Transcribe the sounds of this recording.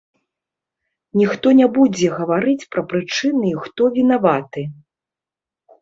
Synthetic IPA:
nʲixt̪ɔnʲabud͡zʲɛɣɐvaɾɨt͡sʲpɾɐpɾɨt͡ʂɨnɨixt̪ɔvʲinavat̪ɨ

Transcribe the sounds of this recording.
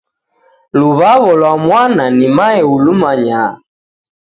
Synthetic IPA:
luβaβɔlwamwananimaɛulumaɲa

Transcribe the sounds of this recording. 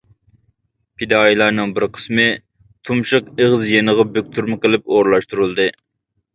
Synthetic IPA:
pʰid̪ɑːilˠɑɾnɨŋbɪɾqʰə̥smɨ | t̪ʰumʃɨqeʁəzjenəʁɑbøk̚ʲt̪ʰuɾmɨqəlɪpoɾlˠɑʃt̪uɾulˠd̪ɨ

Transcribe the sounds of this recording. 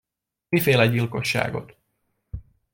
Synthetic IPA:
ifeːlɛɟːilko̞ʃːa̰ːɡo̞̰t̪

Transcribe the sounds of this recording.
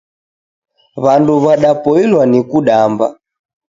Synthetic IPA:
βanduβaɗapɔilwanikuɗamba̰

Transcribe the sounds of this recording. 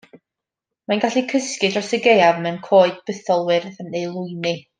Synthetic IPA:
manɡaɬikʰəskɨdrɔsəɡejavmɛwnkʰoːɨd̚b̥əθɔlˠwɪrðənejlˠʊɨni

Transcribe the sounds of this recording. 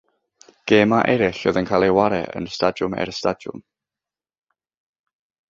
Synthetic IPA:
ɡ̥eːmaʔɛɾɪɬoðənkʰalˠewaɾɛ̰ʔə̰nstadʊmɛ̰ɾəstadjʊ̰m

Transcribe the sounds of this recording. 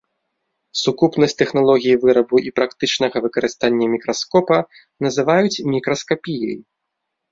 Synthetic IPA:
sukupnɐsʲt̪ɛxnalˠɔɣʲijivɨɾɐbuipɾakt̪ɨt͡ʂnɐɣɐvɨkɐɾɨst̪anʲːɐmʲikɾaskɔpɐ | nɐzɨvajut͡sʲmʲikɾɐskapʲijɐ̰j

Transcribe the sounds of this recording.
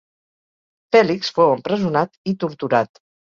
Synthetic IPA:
fɛliksfowəmpɾəzunat̪it̪uɾt̪uɾat̪

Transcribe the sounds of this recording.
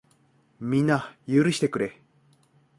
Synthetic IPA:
mʲinajɯɾɯ̟ɕi̥t̪ekɯ̟ɾe̞

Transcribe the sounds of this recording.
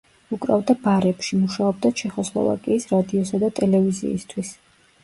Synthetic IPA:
ukʼɾavd̪abaɾɛpʃimuʃaɔb̚d̪at͡ʃʰɛχɔslˠɔ̰va̰kʼiːsɾad̪iɔsad̪at̪ʼɛlɛvizḭːst̪ʰwis

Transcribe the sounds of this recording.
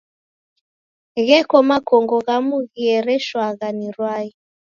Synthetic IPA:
ɣɛkɔmakɔŋɡɔɣamuɣiɛɾɛʃwaɣaniɾwai

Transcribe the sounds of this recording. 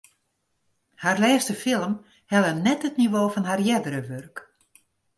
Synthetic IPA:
harlɛːstəfɪlˠəm | hɛlˠənɛthətniʋoːfɔnɦarjɛdəɾəʋørk

